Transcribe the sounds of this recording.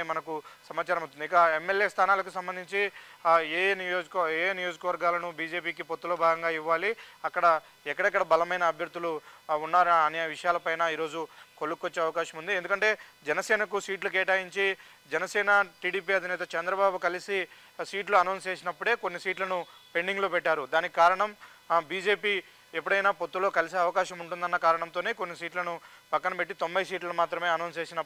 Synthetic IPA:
mɐnɐkusɐmaːt͡ʃaːɾɐmɐust̪unikɐemːeljeːst̪ʰaːnaːlɐk̬usɐmbɐnd̪ʱiɲt͡ʃieːnijoːd͡ʒkeːnijod͡ʒɐkɐʋɐɾɡaːlɐnubiːd͡ʒe̞ːpiːkipot̪ːulo̞ːbʱaːɡɐŋɡaːiʋːaːliɐkːɐɽɐ | ɛkːɐɽɛkːɐɽɐbɐlɐmɐjnɐːbʱjɐɾd̪ːuluːnːaːɾuɐneːʋiʂɐjaːlɐpɐjnaːiːɾo̞ːd͡ʒukolukːʋot͡ʃːeːɐʋɐkaːʃɐmund̪iend̪ukɐɳʈe̞ːd͡ʒɛnɐsɛːnɐkusiːʈluk̬ɛːʈaːjiɲt͡ʃi | d͡ʒɛnɐsɛːnɐʈiːɽiːpiːɐd̪ʱinɛːt̪ɐt͡ʃɛnd̪ɾɐbaːbukɐlisi | siːʈluɐnɐwnst͡ʃeːs̬inɐpːuɽe̞ːkonːisiːʈlɐnupe̞ɳɖiŋɡloːpɛʈːaːɾud̪aːnikikaːɾɐɳɐm | biːd͡ʒe̞ːpiː | ep̬ːuɽɐjnaːpo̞t̪ːulo̞ːkɐlis̬eɐʋɐkaːʃɐmuɳʈund̪ɐnːɐkaːɾɐɳɐmnt̪o̞ːne̞ːko̞nːis̬iːʈlɐnupɐkːɐnɐpeʈːit̪o̞mbʱɐjs̬iːʈlɐlumaːt̪ɾɐme̞ːɐnɐwns̬e̞ːsinɐpː

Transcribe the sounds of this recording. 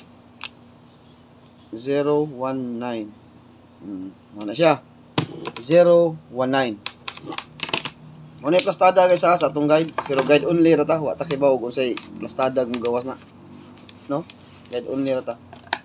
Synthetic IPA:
ziɾowanːajn̩ | manasja | ziɾowanːajn | monajplast̪adaɡajsaasaat̪ʊŋɡajd̪̚pɛɾoɡajd̪ʊnlɪɾat̪awa̰ʔt̪akibaʊɡʊnsajplast̪adaɡmʊɡawasna | no | ɡajd̪ʊnlɪɾat̪a

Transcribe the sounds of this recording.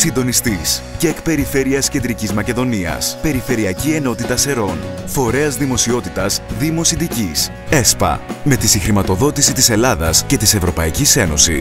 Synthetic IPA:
sind̪o̞nist̪isceːkpe̞ɾife̞ɾiɐsce̞nd̪ɾicizmɐceðo̞niɐ̰spe̞ɾife̞ɾiɐcie̞no̞t̪it̪ɐse̞ɾo̞nfo̞ɾe̞ɐzðimo̞sio̞t̪it̪ɐzðimo̞sind̪icis | e̞spɐ̰me̞t̪isixɾimɐt̪o̞ðo̞t̪isit̪ise̞lɐðɐsce̞t̪ise̞vɾo̞pɐicise̞no̞si

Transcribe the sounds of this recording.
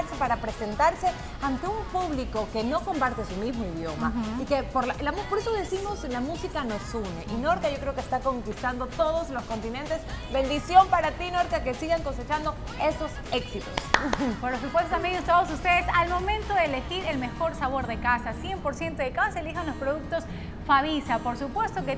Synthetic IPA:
eɾsepaɾapɾese̞nt̪aɾse̞ | ant̪e̞umpuβliko̞ke̞no̞ko̞mpaɾt̪e̞sumizmo̞iðjo̞ma̰ikepoɾllampoɾesoðesimo̞slamusikano̞sunḛʔino̞ɾkaʝo̞kɾe̞okest̪ako̞ŋkist̪and̪o̞t̪o̞ð̞ozlo̞sko̞nt̪ine̞nt̪e̞zbẽ̞nd̪isjo̞mpaɾat̪inoɾkake̞siɣaŋko̞se̞t͡ʃand̪o̞ | e̞so̞s | e̞ksit̪ospoɾlos̬upwest̪ot̪ambjenest̪oos̬ust̪esalmo̞mẽnt̪oðeːlexiɾe̞lme̞xo̞ɾsaβ̞o̞ɾðekasasje̞mpo̞ɾsje̞nt̪oðekasasaelixanlo̞spɾoðuk̚t̪o̞s | faβisapo̞ɾsupwe̞st̪oke

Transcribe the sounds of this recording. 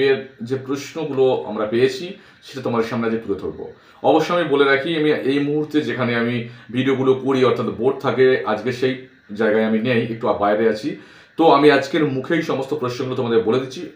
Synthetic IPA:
eɾd͡ʑepɾoʃnoɡuloa̰mɾapejet͡ɕʰi | ʃeʈat̪omad̪eɾʃamnead͡ʑkepuɾot̪ʰok̚bo̰ | ɔboʃːoamiboleɾakʰiamiejmuɦuɾt̪ed͡ʑekʰaneamibʱiɖioɡulokoɾiɔɾt̪ʰat̪boʈ̚t̪ʰakea̰d͡ʑkeʃej | d͡ʑaeɡaeaminejek̚ʈuabaeɾeat͡ɕʰi | t̪oamiad͡ʑkeɾmukʰejʃɔmost̪opɾoʃnoɡulot̪omad̪eɾboled̪itːɕʰi

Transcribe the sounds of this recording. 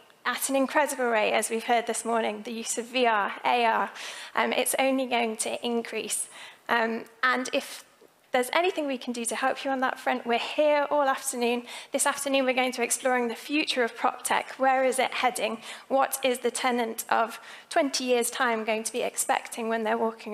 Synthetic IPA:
ʔəɾə̃nɪ̃nkʰɹ̥ɛdəbəlˠɹeɪʔəzwiv̥hɜːd̪̚ðɪsmɔːnɪ̃ŋðəjʉsəviɑːeɪɑːʔʌ̃mʔɪ̰tsõ̰ʊ̃nliɡoʊɪ̃ŋtʰəʔɪ̃nkʰɹ̥isʔʌ̃mʔə̃nɪf | ðəzɛniθɪ̃ŋwikʰn̩dɨtəhɛlˠpʰjəə̃nðə̰tfɹʌ̃nʔwɪhɪəɹɔːlˠaftənʉ̃nðɪsaftənʉ̃ːnwɪəɹɡoʊɪ̃ŋtʰəɛksplɔːɹɪ̃ŋðɨfjʉˑt͡ʃəɹəv̥pʰɹ̥ɒ̰p̚tʰɛ̰kʰwəɹɪzɪʔhɛdɪ̃ŋwɒtɪzðɨtʰɛnə̃ntʔəv̥ | tʰw̥ɛ̃ntʰijɪəz̥tʰãɪ̃mɡoʊɪ̃ŋtʰəbiɛ̰kspɛ̰k̚tʰɪ̃ŋwə̃nðə˞wɔˑkʰɪ̃ŋ

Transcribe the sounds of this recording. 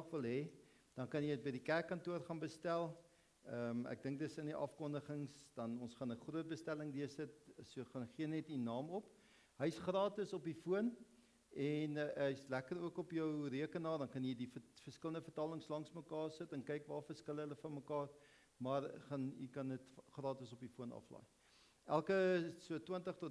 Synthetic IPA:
χvəlˠɦɛ | d̥ɐnkɐnjəjət̚bəjdikærkːɐntuərχɑnbəstælˠ | əmæ̰k̚dəŋk̚dəsəndiʔɐfkɔndəχəŋsd̥ɐnɔnsχɑnəχruət̚bəstæləŋdiərsətsuəχɑnχiənɛtinɑːmɔp | ɦəjsχrɑːtəsɔpifuən | ɛnəjslækəɾuəkɔpjəwriəkənɑːrdɐnkɐnjədifərskələndəfərtɑːləŋslɐŋsməkɑːrsətɛnkɛjkvɑːfərskələləfɐnməkɑːr | mɐrχɐnḭkɐnətχrɑːtəsɔpifuənɐ̰flɑ̰j | ʔælˠkəsuətwəntəχtɔ

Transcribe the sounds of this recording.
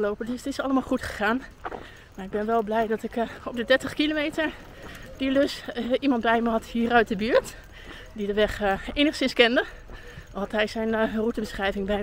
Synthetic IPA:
lowpədstɪsɑləmaːlˠχutχə̥χaːn | maːɹɪɡ̚bɪnʋɛlˠblɛjdɔtɪkɔp̚dədɛɹtəχkilomeːtəɹ | didøsimɑnt̚bɛjməɦɑthiːərœɥt̚dəbyːɹt | didəʋɛχeːnəχsɪnskɪndə | hɑtɦɛjsɛjnrutəbəsχrɛjvɪŋbɛ

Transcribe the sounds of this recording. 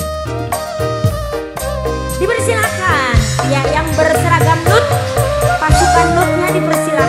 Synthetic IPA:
dipərsilakanjajaŋbərsəɾaɡamlʊt̪̚pasukanlʊt̪̚ɲadipərsila

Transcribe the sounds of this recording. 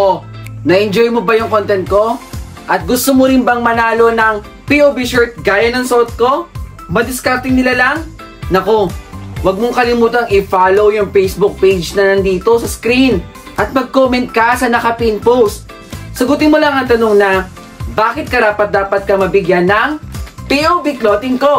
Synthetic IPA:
ʔonɐʔɛnd͡ʒojmobɐjʊŋkont̪ɛnt̪̚ko̞ | ʔɐt̪̚ɡʊst̪omoɾɪnbɐŋmɐnaːlo̞nɐŋ | piʔobiʃɛɹt̪̚ɡaːjɐnɐŋsot̪̚ko̞ | mɐd̪ɪskaɾt̪ɪŋnɪlalɐŋ | nɐkowɐɡ̚moŋkɐlɪmuːt̪ɐŋɪfaːlo̞wjʊŋpɛjsbʊk̚pejd͡ʒnɐnɐnd̪iːt̪o̞sɐskɾin | ʔɐt̪̚mɐɡ̚koːmɛnt̪̚kɐsɐnɐkɐpinpowst̪̚ | sɐɡʊt̪ɪnmolɐŋɐŋt̪ɐno̞ŋnɐ | baːkɪt̪̚kɐɾaːpɐt̪̚d̪aːpɐt̪̚kɐmɐbɪɡjanːɐŋpiʔobɪkloːt̪ɪŋko̞

